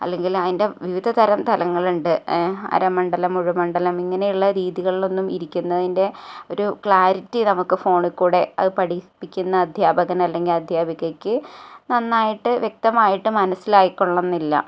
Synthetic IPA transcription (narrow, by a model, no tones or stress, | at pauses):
ɐ̰lːe̞ŋɡilɐðinde̞ʋiʋid̪ʱɐt̪ʰɐɾɐmt̪ʰɐlɐŋːɐɭuɳɖɨɐ̰ɾɐmːɐɳɖɐlɐmuɻumɐɳɖɐlɐmiŋːɐne̞juɭːɐɾiːðiɣɐɭilo̞nːumiɾikʲːunːɐðinde̞o̞ɾukɭaːɾitːinɐmukːɨfo̞ːɳɨkuːɽe̞ɐ̰ðɨpɐɽipːikʲːunːɐːd̪ʱjaːbɐɣɐnɐlːe̞ŋɡilɐd̪ʱjaːbʱiɣɐkʲːɨnɐnːaːjiʈːɨʋjek̚t̪ɐmaːjiʈːɨmɐnɐsːilaːjikːoɭːɐnːilːɐ̰